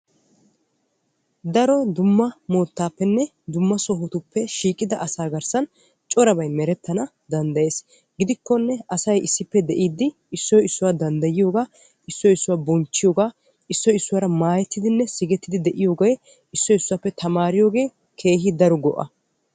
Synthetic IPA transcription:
d̪ɐɾɔd̪ʊmːɐmoːt̪ːaːpːɛnːɛ | d̪ʊmːɐsɔɦɔt̪ʊpːɛʃiːkʼːɪd̪ɐʔɐsaːɡɐɾsɐn | t͡ʃʼɔɾɐbɐjmɛɾɛt̪ːɐnɐ | d̪ɐnd̪ɐje̞ːs | ɡɪd̪ɪkːɔnːɛɐsɐjɪsːɪpːɛd̪ɛʔiːd̪ːɪ | ɪsːɔjɪsːʊwaːd̪ɐnd̪ɐjɪjo̞ːɡaː | ʔɪsːɔɪsːʊwaːbɔnt͡ʃːɪjo̞ːɡaː | ɪsːɔjɪsːʊwaːɾɐmaːjɛt̪ːɪd̪ɪnːɛsɪɡɛt̪ːɪd̪ɪd̪ɛʔɪjo̞ːɡɐj | ɪsːɔjɪsːʊwaːpːɛt̪ɐmaːɾɪjo̞ːɡe̞ː | kʰe̞ːɦɪd̪ɐɾɔɡɔʔɐ̰

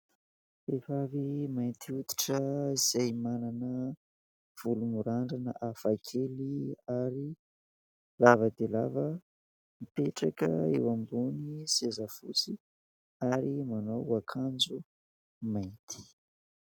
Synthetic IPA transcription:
efavimajnt̪ʰiut̪i̥ʈ͡ʂəiz̥ajmananə | v̥ulumuɾaɳɖ͡ʐanə̰ʔafakʰeliaɾi | lavəd̪ela̰və | mipeʈ͡ʂakə̰ḛwambunisezafṵt͡si | aɾimanowakʰand͡zu | mant̪ʰi̥

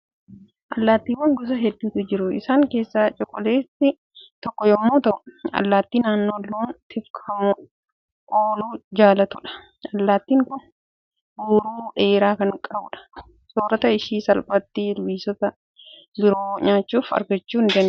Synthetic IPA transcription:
ʔɐlːaːt̪ːiːwɐŋɡʊs̬ɐɦɛd̪ːuːt̪ʊd͡ʒɪɾʊɪ̰saːŋke̞ːsːaːt͡ʃʼɔkʼːɔleːsɪ | t̪ɔkːɔjɔmːoːt̪ɐʔʊɐ̰lːaːt̪ːiːnaːnːoːlːoːnt̪ɪfkʰɐmʊ | ʔoːluːd͡ʒaːlɐt̪ʊᶑɐ̥ | ɐlːaːt̪ːiːŋkʊn | ɡuːɾuːʔe̞ːɾaːkɐŋkʼɐbʊᶑɐ̥ | soːɾɐt̪ɐɪʃiːsɐlbɐt̪ːiːlʊwiːsɔt̪ɐ | bɪɾoːɲaːt͡ʃːuːfɐ̰ɾɡɐt͡ʃːuːɪnd͡ʒ̪ɐn

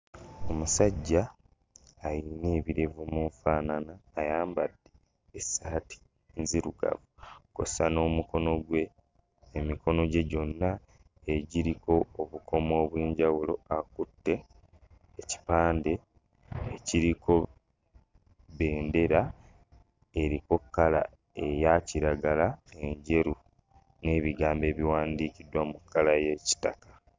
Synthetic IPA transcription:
o̞musaɟːaː | jineːβiɾe̞vumuɱfaːnanaːjaːmbadːe̞ː | saːti̥ | nziɾuɡa̰vuko̰sano̞ːmuko̞no̞ɡwe̞ː | mikʰo̞no̞ɟe̞ɟo̞nːaː | ɟiɾiko̞ːβukʰo̞mo̞ːβweːɲɟawulo̞akutːe̞ː | ci̥paːnde̞ː | ciɾikʰo̞ | βe̞ːnde̞ɾa | eɾiko̞kːala̰ | ejaciɾaɡalae̞ɲɟe̞ɾu | ne̞ːβiɡaːmbe̞ːβiwaːndiːkidwamukʰːalaje̞ːci̥takḁ

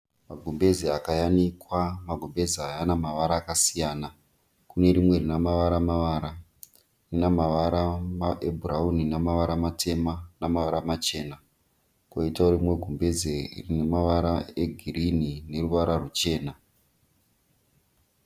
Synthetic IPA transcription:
maɡʱombe̞ziakajanikwamaɡʱombe̞ziajanamaʋaɾaːkasijaːna | kune̞ɾimwe̞rinamaʋaɾamaʋaːɾa | rinamaʋaɾamaʔebʱurauninamaʋaɾamatʰe̞manamaʋaɾamat͡ʃe̞ːna | koitaoɾimwe̞ɡʱombe̞zerinemaʋaɾaeɡʱirinine̞ruʋaɾarut͡ʃe̞ːna

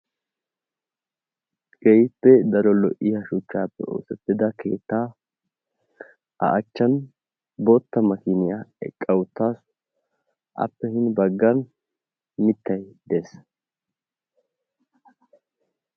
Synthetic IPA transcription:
ɡ̥ɛjɪpːɛd̪ɐɾɔlɔʔɪjɐʃʊt͡ʃːaːpːɛ̰o̰ːsɛt̪ːɪd̪ɐkʰe̞ːt̪ːaː | ɐ̰ʔɐt͡ʃːɐn | bɔt̪ːɐmɐkɪnɪjaɛ̰kʼːɐwʊt̪ːaːs | ʔɐ̰pːɛhɪnbɐɡːɐn | mɪt̪ːɐjd̪es

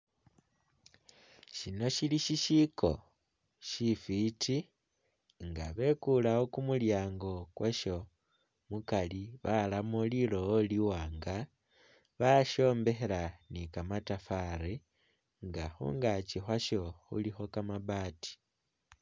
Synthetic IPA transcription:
ʃino̞ʃiliʃiʃiko̞̰ | ʃifitʰi | ŋɡaβe̞kulaokumuljaːŋɡo̞kweʃo | mukaliβalamolilooliwaːŋɡa | βaʃo̞ːmbe̞xe̞lanikamatafaɾi | ŋɡaxṵŋɡat͡ʃixwaʃo̞xṵlixo̞kamaβaːti̥

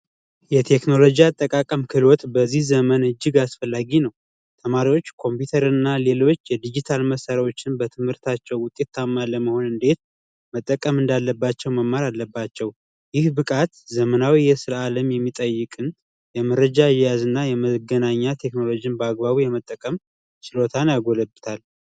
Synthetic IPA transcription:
jɛt̪ʰe̞kno̞lo̞d͡ʒiat̪ʼːəkʼakʼəmkʰɨlwɔt̪bəzːihzəmənɨd͡ʒːɨɡasfəlːaɡinəw | t̪ʰəmaɾiwo̞t͡ʃːkʰo̞mpjut̪ʰəɾɨnːale̞lo̞t͡ʃːjɛd̪id͡ʒit̪ʰalməsəɾawo̞t͡ʃːɪnbət̪ʰɨmhɨɾt̪ʰat͡ʃːɛwʊt̪ʼe̞t̪ʰːamːaləməho̞nɨnd̪e̞t̪ | mət̪ʼːəkʼəmɨnd̪alːəbːat͡ʃːɛwməmːaɾalːəbːat͡ʃːɛw | jɪhbɨkʼat̪zəmənawijɛsɨɾaaləmjɛmːit̪ʼəjːɪkʼɨn | jɛməɾəd͡ʒajɛjazɨnːajɛməɡənaɲːat̪ʰe̞kno̞lod͡ʒinbəaɡbaβijɛmət̪ʼːəkʼəm | t͡ʃɪlo̞t̪ʰanjaɡo̞ləbɨt̪ʰal

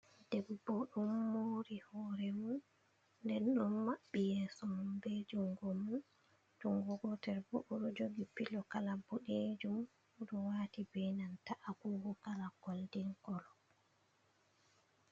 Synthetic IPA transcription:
d̥ɛbːɔɗumːoːɾihɔɾɛmunː | dɛnɗɔnmaɓːijɛːsɔmunbed͡ʒumɡɔmun | tuŋɡɔɡɔtɛɾbɔ̰ɗɔɗɔd͡ʒoɡipilɔkalabɔɗed͡ʒum | ɗɔwatibɛnantaʔaɡuːɡɔkalaɡɔldiŋkɔlɔ

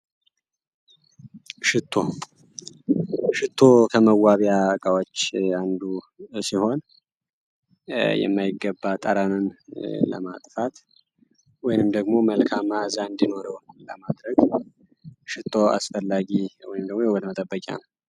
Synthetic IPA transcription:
ʃɪt̪ʰːo̞ | ʃɨt̪ʰːo̞kʰəməwːaβjakʼawot͡ʃːand̪u | siho̞n | jɛ̰mːajɪɡːəbːat̪ʼəɾanɨnlə̰mat̪ʼfat̪ | wɔjnɨmd̪əɡmo̞məlkʰamazaɨnd̪ino̞ɾəwləmad̪ɾəɡ | ʃɪt̪ʰʼːo̞a̰sfəlːaɡiwɔ̰jnɨmd̪əɡmojɛwət̪mət̪ʼəbːəkʼa̰nəw

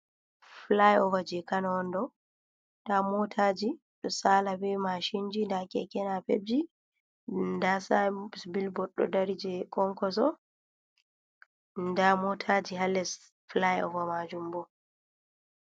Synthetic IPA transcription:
flajɔvad͡ʒɛkanaɔndɔ | damɔtʰad͡ʒi | ɗɔsaːlabɛmaʃind͡ʒindakɛkɛnapḛb̚d͡ʒi | ndasasbilbɔɗːɔ̰daɾid͡ʒɛkɔŋkɔsɔ | ndamɔtʰad͡ʒiɦalːɛs | flajɔ̰vamad͡ʒumbɔ

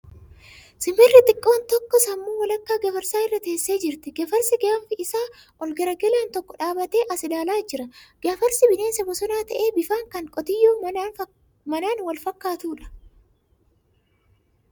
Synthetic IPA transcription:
sɪmɛrːɪt̪ʼɪkʼːo̞ːnt̪ɔkːɔsɐmːuːwɐlɐkːaːɡɐfɐɾsaːɪrːɐt̪eːsːeːd͡ʒɪɾt̪ɪɡɐfɐɾsɪɡaːfɪɪsaː | ʔɔlɡɐɾɐɡɛlaːnt̪ɔkːɔᶑaːbɐt̪eːʔɐsɪᶑaːlaːd͡ʒɪɾɐɡ̥ɐfɐɾsɪbɪne̞ːnsɐbɔsɔnaːt̪ɐʔe̞ːbɪfaːŋkɐŋkʼɔt̪ɪjːoːmː | mɐnaːnwɐlfɐkːaːt̪uːᶑɐ̥

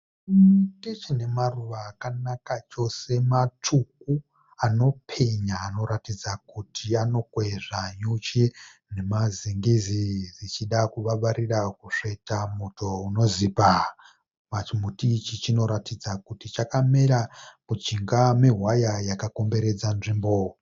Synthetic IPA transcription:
tit͡ʃine̞maruʋaːkanakat͡ʃo̞se̞matʰuk̚u | ano̞pʰe̞ɲaːno̞ɾatid͡zakutʰiano̞kweʐaɲut͡ʃine̞maziŋɡizid͡zit͡ʃiɗakuʋaʋaɾirakuʂeitamuto̞uno̞zipa | mat͡ʃimutit͡ʃit͡ʃino̞ɾatid͡zakutit͡ʃakamiɾamud͡ʒiŋɡameɦwajajakako̞mbe̞ɾe̞d͡zanʐimbo

